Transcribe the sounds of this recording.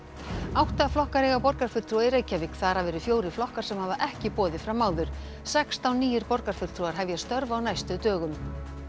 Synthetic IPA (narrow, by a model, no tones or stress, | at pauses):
awht̪aaflɔhkaɾɛɣapɔɾkaɾ̥fʏ̥t̪ʰɾuaɪɾeːjcavɪkθaːɾ̥avɛːɾʏfjoːwɾɪflɔhkaɾ̥sɛmhaːvaʔɛhcɪpɔːðɪfɾamːaːwðʏɾ̥ | sɛkst̪awniːjɪɾpɔɾkaɾ̥fʏl̥t̪ʰɾuaɾ̥ɦɛvjast̪œɾvaːwnajst̪ʏt̪œːɣʏm